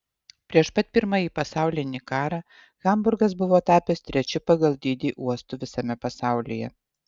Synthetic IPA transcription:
pʲɾʲiɛʃpɐt̪̚pʲɪɾmɑjiːpɐsɑˑʊlʲɪnʲiːkɑːɾɑː | ɣɐmbʊɾɡɐs̬bʊʋoːt̪ɑːpʲɛst̪ʲɾʲɛt͡ʃʲɪpɐɡɐlˠd̪ʲiːd̪ʲiːʔuɔst̪ʊʋʲɪsɐmʲɛpɐsɑˑʊlʲijɛ̰

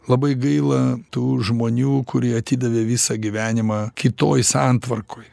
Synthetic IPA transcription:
lˠɐbɐɪɡɐɪlˠɐt̪uːʒmoːnʲuːkʊɾʲiːɐt̪ʲiːd̪ɐʋʲeːʋʲisɐɡʲiʋʲæːnʲɪmɑkʲɪt̪oːjsɑnt̪ʋɐrkʰoːj

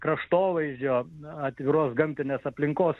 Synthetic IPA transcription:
kɾɐʃt̪oːʋɐɪʒʲd͡ʒʲoːɐt̪ʲʋʲɪɾoːsɡɐmʲt̪ʲɪnʲeːsɐpʲlʲɪŋkoːs

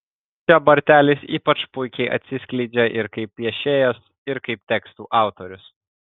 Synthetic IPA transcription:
t͡ʃʲɛbɐɾʲt̪ʲæːlʲɪsiːpɐt͡ʃpʊɪkʲɛɪʔɐ̰t̪ʲsʲɪsʲklʲɛɪd͡ʒʲɛʔɪɾkɐɪpʲʋʲiɛʃʲeːjoːs | ɪɾkɐɪp̚t̪ʲɛkst̪uːʔɑˑʊt̪oɾʲʊs

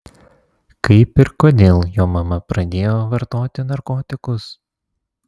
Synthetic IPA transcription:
kɐɪpɪɾkod̪ʲeːlˠjoːmɐmɐpɾɐd̪ʲeːjoːʋɐɾt̪oːt̪ʲɪnɐɾkoːt̪ʲɪkʊs

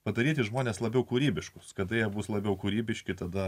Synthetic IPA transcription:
pɐd̪ɐɾʲiːt̪ʲɪʒmoːnʲeːslˠɐbʲɛʊkuːɾʲiːbʲɪʃkʊskɐd̪ɐjiɛbuːslˠɐbʲɛʊkuːɾʲiːbʲɪʃʲkʲɪt̪ɐd̪ɐ

